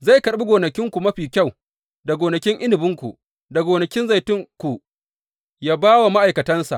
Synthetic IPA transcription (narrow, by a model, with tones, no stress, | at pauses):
za˦˨jkɐ˨ɽɓi˦ɡʷoː˨nɐ˨kʲɪ˦ŋkʷu˨mɐ˦ɸiː˨kʲa˦˨w | da˨ɡʷoː˨nɐ˨kʲɪ˦ŋʔɪ˦nɪ˨bɪ˦ŋkʷṵ˨ | da˨ɡoː˨nɐ˨kʲɪ˦nza˨jtʊ˦ŋkʷu˨ | jaː˦baː˦wa˨ma˦ʔa˨jkɐ˨tɐ˦nsa̰˨ʔ